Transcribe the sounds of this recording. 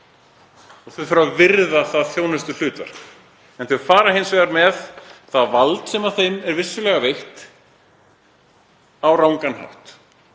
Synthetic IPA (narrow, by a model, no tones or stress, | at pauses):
ɔɣθœfʏɾaðvɪɾðaθaðθjoːwnɛst̪ʏlʏːt̪vɛ̰ɾ̥kn | ɛnθœʏɾ̥faːɾahẽjnsvɛɣaɾmɛðθaðvalt̪sɛmaθejmɛɾvɪsːʏlɛɣaveht̪ | awɾaːwŋkanha̰wht̪